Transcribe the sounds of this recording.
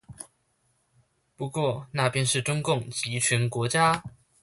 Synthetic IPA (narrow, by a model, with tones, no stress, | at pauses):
pu˧˥kwɔ˥˧na˥˩pjɛ˥nʂɻ̩˥˩ʈ͡ʂʊ˥ŋkʊ˥˩ŋt͡ɕi˧˥t͡ɕʰɥɛ˧˥nkwɔ˧˥t͡ɕja˥